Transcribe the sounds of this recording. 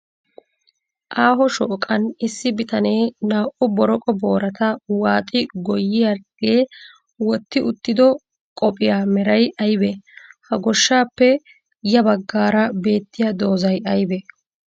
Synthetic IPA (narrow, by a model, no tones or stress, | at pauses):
ʔaːɦɔʃɔʔkʼːɐnɪsːɪbɪt̪ɐne̞ːnaːʔʊbɔɾɔkʼɔbo̞ːɾɐt̪ɐwaːt̪ʼɪɡɔjːɪjaɡeː | wɔt̪ːɪʊt̪ːɪd̪ɔ | kʼɔpʼɪjaːmɛɾɐjʔɐjbɛhɐɡɔʃːaːpːɛ | jɐbɐɡːaːɾɐbe̞ːt̪ːɪjɐd̪o̞ːzɐjʔɐjbɛ